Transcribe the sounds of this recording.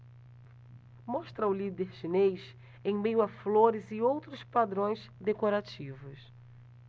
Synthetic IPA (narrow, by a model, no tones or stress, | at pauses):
mɔʃt̪ɾɐʊlid̪eɾʃinejʃ | ẽj̃mejʊɐfloɾɪzɪowt̪ɾʊspad̪ɾõj̃zd̪ekoɾat͡ʃivʊs